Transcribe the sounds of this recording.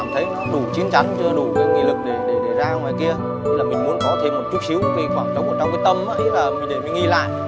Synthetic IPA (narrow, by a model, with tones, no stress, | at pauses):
mt̪ʰə˨˦j | ɗu˧˩t͡ɕi˨˦ənt͡ɕa˨˦ŋt͡ɕɔ˧ɗu˧˩kaː˨˦kḭ˧˨lɨ˨˩k̚ɗe˧˩ɗe˧˩ɗe˧˩zaː˧ŋwaː˨˩jki˧ə˦ | laː˨˩mï˨˩ŋ̟mu˨˦nkɔ˨˦t̪ʰe˧mːo˨˩t͡ɕu˦˥t̚xʰi˨˦wki˨˦xwaː˧˩ŋt͡ɕɔ˧˨˦wkːt͡ɕɔ˧wŋ͡mkaː˨˦jt̪ə˧mə̰˨˧˦laː˨˩mï˨˩ŋɗə˧˩mi˨˩ŋ˧i˧la̰ː˧˨j